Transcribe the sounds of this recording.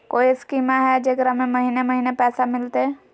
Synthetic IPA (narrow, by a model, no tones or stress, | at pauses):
koːiskimaɦɛd͡ʒekɾamẽməɦineməɦinepɛːsamɪlt̪e